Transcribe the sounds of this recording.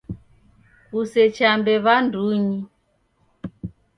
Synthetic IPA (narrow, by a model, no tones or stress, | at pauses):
kusɛt͡ʃambɛβanduɲi